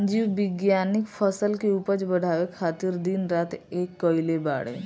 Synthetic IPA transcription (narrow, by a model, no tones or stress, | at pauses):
d͡ʒiːwʋɪɡjaːnɪkpʰəsəlkeuːpəd͡ʒbəɽ̤ʱaːwekʰaːt̪ɪɾd̪inɾaːt̪eːkːɔːileba̰ːɽḛː